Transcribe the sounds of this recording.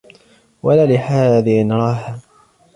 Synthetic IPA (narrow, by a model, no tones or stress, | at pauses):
walaːlɪħaːðɪhɪnɾˤɑːɦa